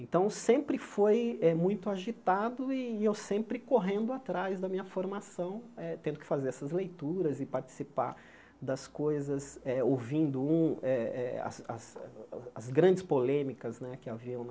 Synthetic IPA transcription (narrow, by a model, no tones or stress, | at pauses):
ẽnt̪ɐ̃w̃sẽmpɾɪfojɛmũj̃t̪ʊaʒit̪ad̪ʊɪewsẽmpɾɪkoɦẽnd̪ʊat̪ɾazd̪ɐmĩɲɐfoɾmasɐ̃w̃ɛt̪ẽnd̪ʊkɪ̥fazeɾɛsɐzlejt̪uɾɐzɪpaɾt͡ʃi̥sipa̰ɾ | d̪ɐskojzɐzɛowvĩnd̪ʊũɛɛɐ̰sɐ̰sɐzɡɾɐ̃d͡ʒɪspolẽmikɐznɛkɪaviɐ̃w̃